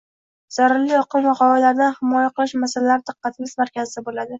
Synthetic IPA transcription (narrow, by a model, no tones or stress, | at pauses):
z̥aɾaɾlɪjɒqʰɨmvaχɒvalaɾd̪anhɪmɒjaqɨlˠɪʃmasalalaɾɪd̪̥ɨqːɑt̪ʰɪmʲɪzmaɾkʲazɪd̪abolad̪ɪ